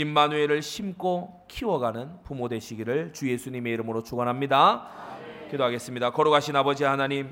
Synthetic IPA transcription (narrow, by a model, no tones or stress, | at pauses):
imːanue̞ɾɯɭɕʰimk͈o | kʰiwʌɡanɯnpumode̞ɕʰiɡiɾɯɭt͡ɕuje̞sʰuɲime̞iɾɯmɯɾot͡ɕoɡʌnɦamɲida | kidoɦaɡe̞s͈ɯmɲidakʌɾoɡaɕʰinabʌd͡ʑiɦanaɲim